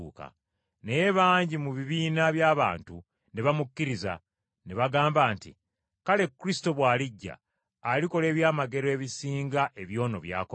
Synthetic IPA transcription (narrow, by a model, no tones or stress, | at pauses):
uːka̰ | nejeβaːɲɟimuβiβiːnaβjaːβa̰ːntu | ne̞βamukːiɾiza̰ | ne̞βaɡaːmbaːntḭ | kale̞kːuɾisi̥to̞βwaːliɟːa̰ː | liko̞le̞ːβjaːmaɡe̞ɾoe̞βisiːŋɡaʔe̞βjo̞ːno̞̰βja̰ːko